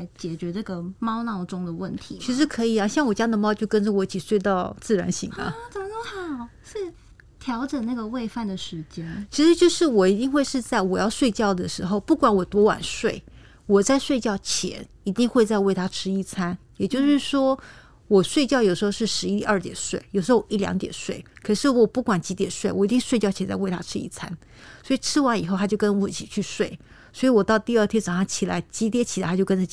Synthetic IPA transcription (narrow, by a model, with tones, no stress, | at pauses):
ɪt͡ɕjɛ˨˩t͡ɕɥɛ˧˥na˥˩ɡə˩mɑ˥ʊnɑ˥˩ʊʈ͡ʂʊ˥ŋd̪ə˨wə˥˩nt̪ʰi˧˦t͡ɕʰi˧˥ʂ̬ɻ̩˧˥kʰɤ˧˥i˨˩a˧˩ɕjɑ˥˩ŋwɔ˨˩t͡ɕja˥d̪ə˨˩mɑ˥ʊt͡ɕjo˥˩ʊkə˥nʈ͡ʂə˨wɔ˨˦i˥˩t͡ɕʰi˨˩ʂwe˥˧ɪt̪ɑ˥˧ʊt͡sɹ̩˥˩ɻa̰˧˥nɕḭ˧˥˦ŋɐ̰˦t͡sə˨˩m˦t̪o˥xɑ˨˩˦ʂɻ̩˥˩ | t̪ʰjɑ˧˥ʊʈ͡ʂə˨˩na˥˩ɡə˩we˥˧ɪfa˥˩nd̪ə˩ʂɻ̩˧˥t͡ɕjɛ˥nt͡ɕʰi˧˥ʂɻ̩˧˥t͡ɕjo˥˧ʊʂɻ̩˥˩wɔ˨˩i˧˥t̪i˥˧ŋxwe˥˧ɪʂɻ̩˥˧t͡sa˥˩ɪwɔ˨˩jɑ˥˧ʊʂwe˥˧ɪt͡ɕjɑ˥˩ʊd̪ə˩ʂɻ̩˧˥xo˥˧ʊpu˥˩kwa˧˥nwɔ˨˩t̪wɔ˧˥wa̰˨˩nʂwe˥˩ɪ | wɔ˨˩t͡sa˥˧ɪʂwe˥˧ɪt͡ɕjɑ˥˩ʊt͡ɕʰjɛ̰˧˥n | i˧˥t̪i˥˧ŋxwe˥˧ɪt͡sa˥˧ɪwe˥˩ɪt̪ʰa˥ʈ͡ʂʰɻ̩˥i˥˩t͡sʰa˥njɛ˨˩t͡ɕjo˥˧ʊʂɻ̩˥˩ʂwɔ˥ | wɔ˨˩swe˥˧ɪt͡ɕjɑ˥ʊjo˨˩ʂɻ̩˧xo˥˧ʊʂɻ̩˥˩ʂɻ̩˧˥i˥i˥˧ɐ˞˥˧˩t̪jɛ˨˩nʂwe˥˩ɪjʊʂ̩˧˥o˥˩ʊ˦i˥˩ljɑ̰˧˥ŋt̪jɛ̰˨˩nʂwe˥˩ɪkʰɤ˨˩ʂɻ̩˥˩wɔ˨˩pu˥˩kwa˨˩nt͡ɕi˧˥t̪jɛ˨˩nʂwe˥˩ɪwɔ˨˩i˧˥t̪i˥˧ŋ̩˥we˥˧t͡ɕjɑ˥˩ʊt͡ɕʰt͡sa˥˧ɪwe˥˩ɪt̪ʰa̰˥ʈ͡ʂʰɻ̩˥ḭ˥˩t͡sʰa̰˥n | swɔ˧˥i˨˩ʈ͡ʂʰɻ̩˥wa˧˥ni˨˩xo˥˧t̪ʰa˥t͡ɕjo˥˩ʊkə˥nwɔ˧˥˩t͡ɕʰi˨˩t͡ɕʰy˥˧ʂwe˥˩ɪ | swɔ˧˥i˧˥wɔ˨˩t̪ɑ˥˧ʊt̪i˥˧ə˞˥˧˩t̪ʰjɛ˥ʈ͡ʂɑ˨˩ŋʂɑ˥˧t͡ɕʰi˨˩la̰˧˥ɪt͡ɕi˧˥t̪̬ʰjɛ˥t͡ɕʰi˨˩a˨˦a˥jo˥˧ʊkə˥nʈ͡ʂə˨˩